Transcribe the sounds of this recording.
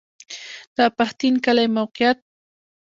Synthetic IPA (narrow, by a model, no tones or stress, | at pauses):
d̪̥apaxt̪ɪnkalajmawqɪjat̪̚